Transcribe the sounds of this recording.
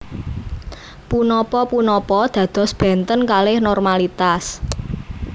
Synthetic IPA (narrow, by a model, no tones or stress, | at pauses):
punɔpɔpunɔpɔd̪̥ä̤d̪̥ɔ̤sb̥ɛ̤nt̪ənkalɪhnɔrmalit̪as